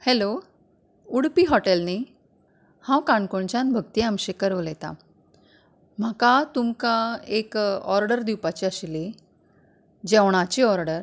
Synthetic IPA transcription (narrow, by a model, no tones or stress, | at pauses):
helo | uɽpiɦɔʈelni | hãwkaɳkoɳt͡ɕãnbʱəɡ̚t̪iamɕekəɾʋolɛt̪a̰ | m̤akat̪umkaekɔɾɖəɾd̪iwpat͡ɕiəɕli | d͡ʑɛʋɳ̃at͡ɕiɔɾɖəɾ